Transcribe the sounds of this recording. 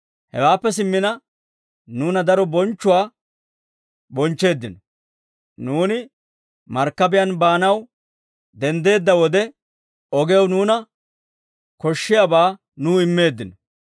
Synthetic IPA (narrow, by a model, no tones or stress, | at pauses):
hɛ̰waːpːɛs̬ɪmːɪnɐ | nuːnɐd̪ɐɾɔbɔnt͡ʃːʊwaː | bɔnt͡ʃːe̞ːd̪ːɪnɔ | nuːnɪ | mɐɾkːɐbɪjɐnbaːnɐw | d̪ɛnd̪e̞ːd̪ːɐwɔd̪ɛ | ɔɡɛwnuːnɐ | kɔʃːɪjabaː | nuːɪmːe̞ːd̪ːɪnɔ